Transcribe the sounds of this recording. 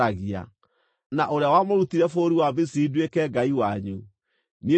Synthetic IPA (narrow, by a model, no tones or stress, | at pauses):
aɣia̰ | naʔoɾeawamoɾutiɾɛfoːɾiwabesiːdwekɛɡaiwaɲu | nie